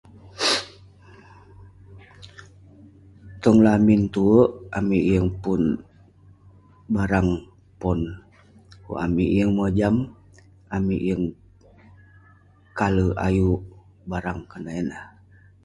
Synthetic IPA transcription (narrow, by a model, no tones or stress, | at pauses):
t̪ɔŋlamint̪uəʔamiʔjəŋpun | baɾaŋ | pɔn | kṵʔa̰miʔjəŋməd͡ʒam | amiʔjəŋ | kaləa̰juʔ | baɾaŋkanaɛnah